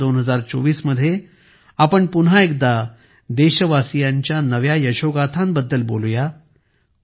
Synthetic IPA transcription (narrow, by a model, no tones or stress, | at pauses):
onɦəd͡zaɾt͡so̰ʋiːsməd̪ʱːje | apəɳpunɦaekd̪a | d̪eɕəʋasijãɲt͡ɕjanəʋjajəɕoɡat̪ʰãmbəd̪ːəlbo̰luja